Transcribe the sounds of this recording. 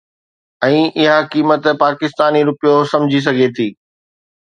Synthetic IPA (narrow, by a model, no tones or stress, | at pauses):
ɛ̃ːʔɪɦakiːmət̪paːkɪst̪aːniɾʊpijosɐ̃md͡ʑʱis̬ɐɡʱet̪ʰiː